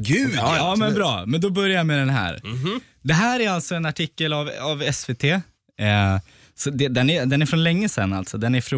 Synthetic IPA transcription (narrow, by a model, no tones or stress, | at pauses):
ɡʉɑːmɛnbɾɑ̰ːmɛnd̪ɔbœɾjajamɛd̪ɛnɦæ̰ːɾ | d̪ɛɦæːɾæɾalt̪sɔɛnaʈʰɪkːəlavavɛsveːt̪ʰeː | sɔd̪ɛd̪ɛnæɾd̪ɛnæɾfɾɔnlɛŋːəsɛ̰nːa̰lt̪sɔd̪ɛnæɾfɾ